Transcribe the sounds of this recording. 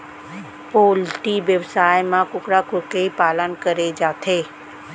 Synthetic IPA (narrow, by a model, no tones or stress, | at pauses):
poːlʈiʋjəʋsaːjmãkʊkɾakʊɾkeipaːlənkəɾed͡ʒaːt̪ʰeː